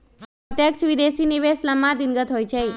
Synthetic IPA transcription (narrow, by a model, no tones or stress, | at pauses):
ɔt̪jəksʋid̪esiniʋesləmad̪iŋɡət̪ɦojt͡ʃʰe